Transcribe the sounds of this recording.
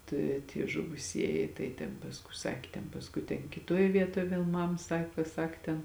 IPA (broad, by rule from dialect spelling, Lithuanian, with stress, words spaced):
ˈtɐ ɪ tʲiɛ ʒʊʋʊˈsʲiɛjɪ tɐɪ tʲɛn pɐsˈkʊɪ ˈsɑːkʲeː tʲɛn pɐsˈkʊɪ tʲɛn kʲɪˈtoːj ˈʋʲiɛtoːj ˈʋʲeːlˠ ˈmɐm ˈsɑːkoː ˈsɐk tʲɛn